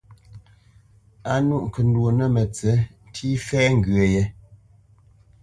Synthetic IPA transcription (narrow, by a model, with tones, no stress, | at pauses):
a˦nu˦˨ʔŋ̩˨kə˨n̩˦dwo˨nə˦mə˨t͡sə˨˦n̩˦tʰi˦fɛ˦ŋ̩˨ɡɥe˨je˨˦